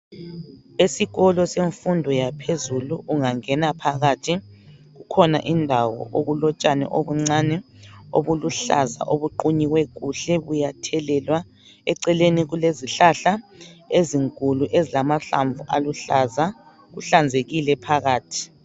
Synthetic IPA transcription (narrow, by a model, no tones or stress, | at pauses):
esiɣɔlɔseɱfundʱɔjapʰezuluʔuŋaŋɛnapʰaɣatʰi | ɣukʰɔna̰ʔindʱawɔ̰ʔoɣulɔt͡ʃʼanɛ̰ʔoβuŋ͡ǀanɛo̰βuluɬa̰za̰ʔoβuǃuɲiɣwɛɣuɬɛβujatʰɛlɛlwa | ɛǀɛleniɣuleziɬaɬaeziŋkʼuluʔezilamaɬa̰ɱb̪vuʔaluɬaza | ɣuɬand͡zʱeɣilɛpʰaɣaːtʰi̥